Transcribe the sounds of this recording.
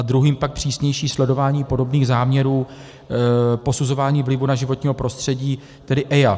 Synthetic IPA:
ʔad̪ɾuɦiːmpak̚pr̝̥iːsɲɛjʃiːslɛdo̞vaːɲiːpo̞do̞bniːɣzaːmɲɛɾuː | po̞suzo̞vaːɲiːvlɪvunaʒɪvo̞t̪ɲiːɦo̞pɾʔo̞st̪r̥ɛɟiː | t̪ɛdɪʔɛja

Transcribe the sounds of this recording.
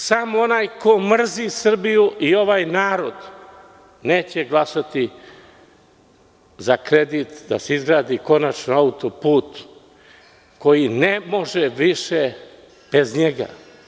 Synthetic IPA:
samoonaːjko̞mr̩zisr̩bijuʔio̞ʋaːjnaːɾo̞d̪ | neːt͡ɕeɡlˠasat̪i | zakɾed̪it̪d̪aseizɡɾaːd̪iko̞nat͡ʃnoaut̪opuːt̪ | ko̞jinemo̞ʒeʋiʃe | b̥e̞zɲeɡa̰

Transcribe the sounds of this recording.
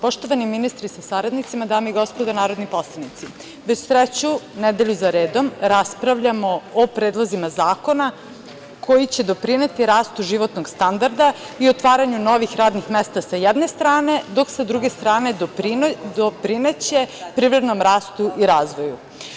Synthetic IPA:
po̞ʃt̪o̞ʋaniminist̪ɾisasaɾad̪nit̪simad̪aːmeiɡo̞spod̪anaːɾo̞d̪nipo̞slˠanit̪si | ʋet͡ɕsɾet͡ɕunɛd̪e̞ʎuzaɾeːd̪o̞mɾaspɾaʋʎamo̞ːpɾed̪lˠozimazaːko̞na | kʰo̞jit͡ɕe̞d̪o̞pɾine̞t̪iɾaːst̪uʒiʋo̞t̪no̞ɡ̥st̪and̪aɾd̪a | iot̪ʋaːɾaɲuno̞ʋixɾaːd̪nixmest̪asajɛd̪nest̪ɾaːne̞d̪o̞ksad̪ɾuɡest̪ɾaːne̞ | d̪opɾine̞t͡ɕe̞pɾivɾed̪no̞mɾaːst̪uʔiɾaːzʋo̞ju

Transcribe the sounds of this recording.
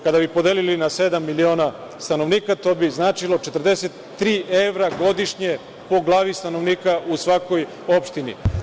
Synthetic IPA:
kad̪abipo̞d̪eːlilinase̞d̪amːilio̞ːna | st̪anoʋniːkat̪o̞biznaːt͡ʃilˠo̞t͡ʃet̪r̩d̪eset̪ːɾiːʔeʋɾaɡo̞d̪iʃɲe | po̞ɡlˠaːʋist̪ano̞ʋniːkausʋako̞j | opʃt̪inḭ

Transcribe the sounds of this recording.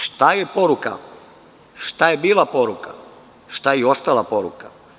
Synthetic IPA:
ʃt̪ajepo̞ɾuka̰ | ʃt̪ajebiːlˠapo̞ɾuka̰ | ʃt̪ajeo̞st̪alˠapo̞ɾṵka

